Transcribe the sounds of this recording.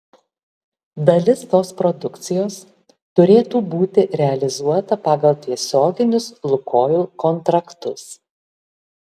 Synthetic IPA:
d̪ɐlʲɪst̪oːspɾɔd̪ʊkt̪sʲɪjoːs | t̪ʊɾʲeːt̪uːbuːt̪ʲɪʔɾʲɛɐlʲɪzuɔt̪ɐpɑːɡɐlˠt̪ʲiɛsʲoːɡʲɪnʲʊslˠʊkʰoːjuːkɔnt̪ɾɐkt̪ʊs

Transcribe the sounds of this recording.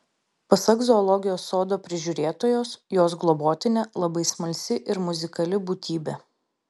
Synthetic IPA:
pɐsɐɡzɔːlˠɔɡʲɪjoːsːoːd̪oːpʲɾʲɪʒʲuːɾʲeːt̪oːjoːsjoːs̬ɡlˠɔboːt̪ʲɪnʲeːlˠɐbɐɪsmɐlʲsʲɪʔɪɾmʊzʲɪkɐlʲɪbuːt̪ʲiːbʲeː

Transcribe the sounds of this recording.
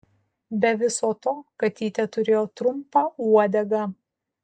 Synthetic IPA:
bʲɛʋʲɪsoːt̪oːkɐt̪ʲiːt̪ʲɛt̪ʊɾʲeːjoːt̪ɾʊmpɑuɔd̪ʲɛɡɐ

